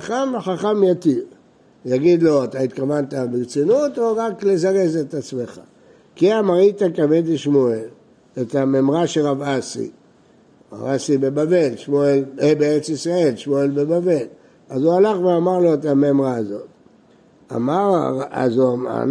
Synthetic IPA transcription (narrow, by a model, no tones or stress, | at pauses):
aamħaχamjat̪iv | jaɡid̪lo̞at̪ait̪kavantabiʁt͡sinutoʁaklezaʁe̞zetat͡smeχa̰ | kiamaʁitakavetiʃmoel | etamemʁaʃelʁavasḭ | ʁa̰vasibe̞bave̞lʃmoelebeeʁet͡sisʁae̞lʃmoelbebave̞l | azualaχveamaʁlo̞etamemʁaːzo̞t | a̰maʁaa̰zuaa̰n